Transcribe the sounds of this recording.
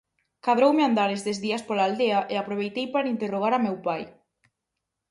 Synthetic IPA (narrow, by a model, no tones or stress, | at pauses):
kaðɾowmeand̪aɾezðezðiaspolaːld̪eaʔeapɾoβ̞ejt̪ejpaɾaint̪eroɣ̞aɾamewpaj